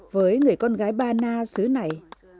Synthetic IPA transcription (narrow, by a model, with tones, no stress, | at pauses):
vəː˨˦jŋɨ˨˩əjkɔ˧nɣaː˨˦jɓaː˧naː˧sɨ˨˦na˨˩j